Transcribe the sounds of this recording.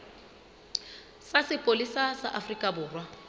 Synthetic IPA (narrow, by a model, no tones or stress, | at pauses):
sasɪpʼolisasa̰ʔafrikʼabʊːrwa